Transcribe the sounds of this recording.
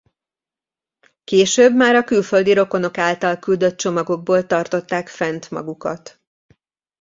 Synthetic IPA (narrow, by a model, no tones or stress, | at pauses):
keːʃøːbmaːɾɒkylfø̞ld̪iɾo̞ko̞no̞kaːlt̪ɒlkyld̪ø̞t̪̚t͡ʃo̞mɒɡo̞ɡ̚boːlt̪ɒrt̪o̞t̪ːaːkfɛnt̪mɒ̰ɡukɒt̪